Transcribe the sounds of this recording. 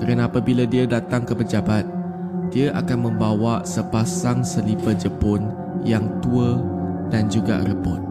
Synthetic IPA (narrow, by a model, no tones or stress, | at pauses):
kəɾənapabiladiədat̪aŋkəpəd͡ʒabat̪̚ | d̥iəʔakanmə̃mbawaʔsəpasaŋsəlipəd͡ʒəpʊn | jaŋt̪uədand͡ʒuɡa̰ʔrəbʊt̪̚